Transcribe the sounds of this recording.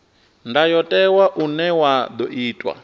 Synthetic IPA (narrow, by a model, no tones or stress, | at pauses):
ndajɔtʼɛwaʔunɛwad̪ɔʔiːtʼwa̰